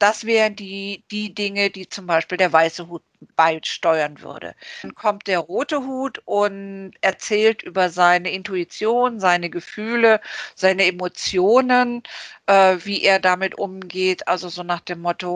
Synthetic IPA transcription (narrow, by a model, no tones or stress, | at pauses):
d̥asv̥ɛːʁəndiːd̥iːdɪŋədiːt͡sʊmbaɪʃpiːldeːɐvaɪsəhuːt̚b̥aɪʃtɔʏɐnvʏ̰ɐdə̰nkʰɔmt̚d̥eːɐʁoːtəɦuːtʔʊntʔɛɐt͡sɛːltʔyːbɐzaɪnəɪntuit͡sjoːnənzaɪnəɡəfyːləz̥aɪnəemot͡sjoːnənʔɛːviːʔeːɐdamɪtʔʊmɡeːtʔalzozoːnaːχd̥eːmːɔto